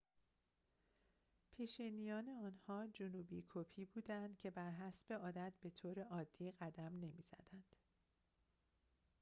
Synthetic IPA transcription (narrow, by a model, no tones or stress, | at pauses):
pʰiːʃiːnijɒːne̞ɒːnhɒːd͡ʒonuːbḭkʰopʰiːbuːd̪ænd̪̥cʰe̞bæɾɦæsb̥e̞ɒːd̪æt̪̚ʰbe̞t̪ʰoːɾe̞ʔɒːd̪̥ːiːɣæd̪æmne̞miːz̥æ̰d̪̥ænd̪̥